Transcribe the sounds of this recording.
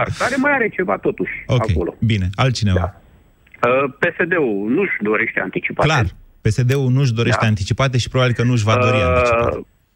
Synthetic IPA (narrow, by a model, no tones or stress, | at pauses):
arkaɾe̞majaɾe̞t͡ʃe̞vat̪o̞t̪uʃʲokakejo̞̰lo̞̰bine̞alt̪t͡ʃineva̰ | əpe̞se̞d̪e̞unuʃd̪o̞ɾe̞ʃt̪e̞a̰nt̪it͡ʃipaklarpe̞se̞d̪e̞unuʃ̬d̪o̞ɾe̞ʃt̪e̞ant̪it͡ʃipat̪e̞ʃipɾobabilkənuʒvad̪o̞ɾianit͡ʃa